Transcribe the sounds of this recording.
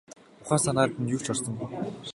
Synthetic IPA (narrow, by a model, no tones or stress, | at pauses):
ʊχaːsanaːt̪ɘ̆njɵw̥t͡ɕɔrsə̆m